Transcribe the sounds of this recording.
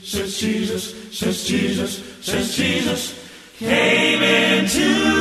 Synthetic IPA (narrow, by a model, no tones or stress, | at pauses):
sɛzd͡ʒizɨssɛzd͡ʒizɨssɛzd͡ʒizəs | kʰẽɪmɪ̃ntʰʉ